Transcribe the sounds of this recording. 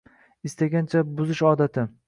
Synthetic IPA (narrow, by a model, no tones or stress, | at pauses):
ɪst̪aɡʲant͡ʃʰabʊzɪʃɒːd̪at̪ʰɪ